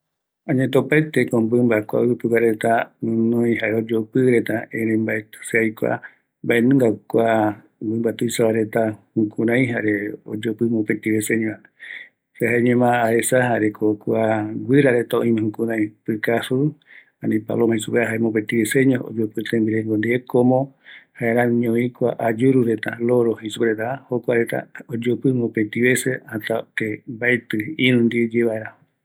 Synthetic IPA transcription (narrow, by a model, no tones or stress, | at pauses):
ãɲẽt̪opat̪ekõmbɨmbakʷa̰ɨpɨwʷaɾet̪aũnõj̃ɦaʔeod͡ʒopɨɾet̪aẽɾẽmbaet̪ɨ̥seajkʷa̰ | mbaenũŋɡakʷa | mbɨmbat̪ujsaβaɾe̞t̪ahukʰuɾãj̃ɦaɾeo̰d͡ʒopɨmõpet̪iβeseɲõã | seɦaeɲẽmãːesaɦaɾekʰokuaɡɨɾaɾet̪aõĩmẽhũkũɾãj̃pɨkasu | ãnĩpa̰lomãĩsupeaɦaemop̬ẽnt̪iβeseɲoo̰d͡ʒopɨt̪embiɾeŋɡond̪iekʰomõhaeɾãɲõĩkʷaʔad͡ʒuɾuɾet̪aloɾohisupeɾet̪ahokʷaɾet̪a̰od͡ʒopɨmopent̪iβeseãt̪at̪ebajt̪ɨĩɾũnd̪id͡ʒeβaeɾa